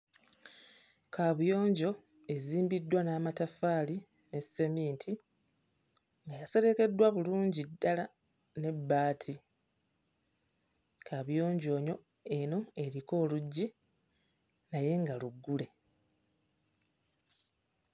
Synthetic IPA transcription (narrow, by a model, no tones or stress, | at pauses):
kaβjo̞ːɲɟo̞ | e̞ziːmbidːwanaːmatafaːli | ne̞se̞miːntʰi | ŋɡajase̞ɾe̞ke̞dːwaβuluːɲɟidːala | ne̞bːaːtʰi | kʰaβjo̞ːɲɟo̞ːɲo̞ | e̞no̞e̞ɾiko̞ːluɟːi | naje̞ŋɡaluɡːule̞